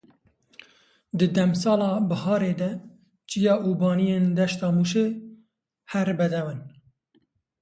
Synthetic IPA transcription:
d̪ɨd̪ɛmsɑːlɑːbɨhɑːɾeːd̪ɛ | t͡ʃijɑːʔuːbɑːnijeːnd̪ɛʃt̪ɑːmuʃe | hɛɾbɛd̪ɛwɨn

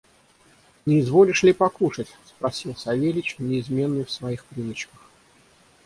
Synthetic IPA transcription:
nʲɪːzvo̞lʲɪʂlʲɪpɐkuʂətʲspɾɐsʲilˠsɐvʲelʲɪt͡ɕnʲɪɪzmʲe̞nːɨjfsvɐixpɾʲɨnət͡ɕkəx

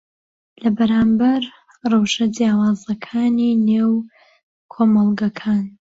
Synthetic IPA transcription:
lɐbɐɾaːmbɐɾ | rɑwʃɐdijaːwaːzɐkʰaːnineːw | kʰoːmɑlˠɡɐkʰaːn

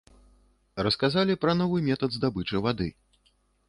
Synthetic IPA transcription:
rɐskazalʲipɾɐnɔvɨmʲɛt̪ɐd̪zd̪abɨt͡ʂɐvad̪ɨ̰

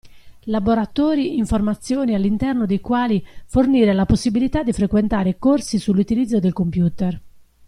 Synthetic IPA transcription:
laboɾat̪ɔːɾiiɱformat̪sːjɔːnialːint̪ɛrnod̪ejkwaːliforniːɾelaposːibilit̪ad̪ːifɾekwent̪aːɾekorsisulːut̪ilid̪zːod̪elkompjuːt̪er

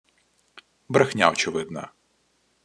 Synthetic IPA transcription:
bɾɐxnʲa̰wt͡ʃʊʋɪd̪nɐ̰

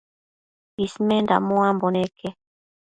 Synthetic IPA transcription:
ismenda̰mõamboneke

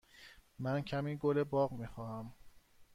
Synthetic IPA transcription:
mæncʰæmiːɡolebɒːɣmixɒːhæm

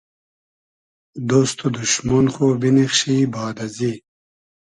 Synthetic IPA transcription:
d̪ost̪ʰod̪uɕmonχoːbinixɕibaːd̪ɐzi

